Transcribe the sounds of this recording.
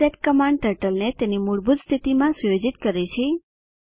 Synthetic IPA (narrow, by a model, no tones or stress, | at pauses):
eʈ̚kəmãɳɖʈəɾʈəlnet̪enimuɭbʱud̪st̪ʰit̪imãsujod͡ʒit̪kəɾet͡ʃʰe